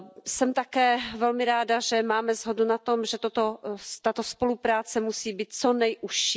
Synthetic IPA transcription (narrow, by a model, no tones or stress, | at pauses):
sɛmt̪akɛːvɛlmɪɾaːdaʒɛmaːmɛzɦodunat̪omʒɛt̪ot̪ot̪at̪ospolupɾaːt͡sɛmusiːbiːt̪̚t͡sonɛjʔuʃi